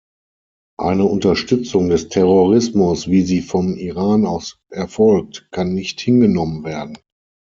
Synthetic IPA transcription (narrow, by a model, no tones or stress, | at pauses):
ʔa̰ɪnəʊntɐʃtʏt͡sʊŋdɛstʰɛʁoʁɪsmʊsv̥iːziːfɔmiʁaːnaʊsʔɛɐfɔlk̚tkʰanːɪçthɪnɡənɔmənveːɐdn̩